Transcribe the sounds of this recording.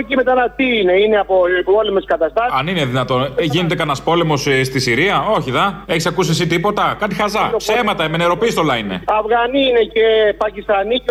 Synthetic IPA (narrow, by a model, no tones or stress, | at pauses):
cemet̪ɐnɐt̪iine̞ineɐpopolemeskɐt̪ɐst̪ɐɐnineðinɐt̪o̞nʝinet̪e̞kɐnɐspo̞le̞mo̞sst̪isiɾiɐo̞çiðɐe̞çisɐkusiesit̪ipo̞t̪ɐkɐt̪ixɐzɐsemɐt̪ɐemeneɾo̞pist̪o̞lɐineɐvɣɐniine̞cepɐcist̪ɐni